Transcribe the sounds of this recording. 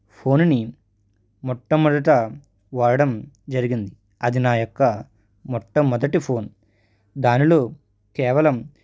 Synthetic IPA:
pʰo̞ːnni | mɔʈːɐmɔd̪ɐʈɐ | ʋaːɾɐɽɐm | d͡ʒɐɾiɡind̪i | ɐd̪inaːjɔkːɐ | mɔʈːɐmɔd̪ɐʈipʰo̞ːn | d̪aːnilo̞ː | kɛːʋɐlɐm

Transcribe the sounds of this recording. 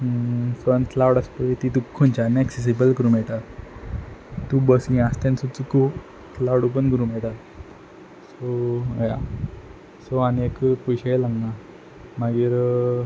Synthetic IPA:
sənt̪lawɽasp̪əet̪it̪̬ukʰːont͡ɕanɛkses̬ibəlkəɾuːmɛɭʈa | t̪ubəsĩast̪ẽnsut͡suku | tlawɽup̬əɳɡəɾũːmeʈat̪ | soja̰ | soaniekpujɕalaŋɡna | maɡiːɾ

